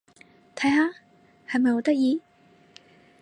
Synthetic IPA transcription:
t̪ʰɐ˨˥jhaː˨˧ | hɐ˨jmɐ˨jho˨˥t̪ɐ˥k̚jiː˧

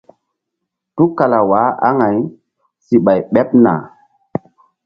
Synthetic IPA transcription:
tu˦ka˨la˨wa˨˦a̰˦ŋa˨j | si˨ɓa˨jɓɛ˦p̚na̰˨

